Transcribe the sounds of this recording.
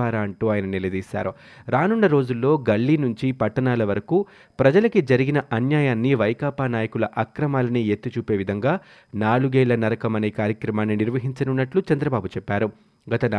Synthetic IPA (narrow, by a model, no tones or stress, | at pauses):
aːɾaːɐɳʈuːaːjɐnɐnilɐd̪iːsa̰ːɾu | ɾaːnuɳːɐɾo̞ːd͡ʒulːo̞ːɡɐɭːinuɲt͡ʃipɐʈːɐnaːlɐʋɐɾɐku | pɾɐd͡ʒɐlɐkid͡ʒɐɾiɡinɐʔɐnjaːjaːnːiʋɐjkaːpaːnaːjɐkulɐʔɐkɾɐmaːlɐniet̪ːut͡ʃuːpe̞ːʋid̪ʱɐŋɡaː | naːɭuɡɛːlɐnɐɾɐkɐmɐneːkaːɾjɐkɾɐmaːnːiniɾʋɐɦiɲt͡ʃɐnunːɐʈlut͡ʃɐnd̪ɾɐbaːbut͡ʃɛpːaːɾu | ɡɐt̪ɐn